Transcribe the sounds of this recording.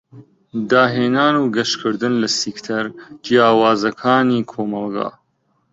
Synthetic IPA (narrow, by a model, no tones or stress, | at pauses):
d̪aːɦeːnaːnuɡɐʃkʰɨɾd̪ɨnlɐsikt̪ʰɐɾd͡ʒijaːwaːzɐkʰaːniːkʰoːmɐlˠɡa̰ː